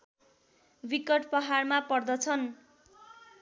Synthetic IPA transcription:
bikʌʈpʌɦarmapʌrd̪ʌt͡sʰʌn

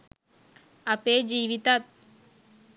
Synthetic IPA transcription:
ɐpeːd͡ʒiːʋit̪at̪̚

